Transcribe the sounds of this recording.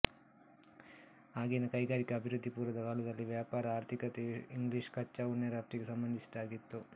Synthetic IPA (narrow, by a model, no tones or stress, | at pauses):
aːɡinɐkɐjɡaːɾikɐːbʱiɾud̪ʱːipuːɾɐd̪ɐkaːɭud̪ɐlːiʋjaːpaːɾɐaːɾt̪ʰikɐt̪eiŋɡliʂkɐt͡ʃːɐuɳːɐɾaːp̚ʈ̪ɾiɡesɐmbɐnd̪ʱisi̥d̪aːɡit̪ːu